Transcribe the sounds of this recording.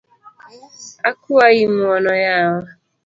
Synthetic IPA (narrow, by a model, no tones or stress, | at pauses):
akuajimɔnɔjawa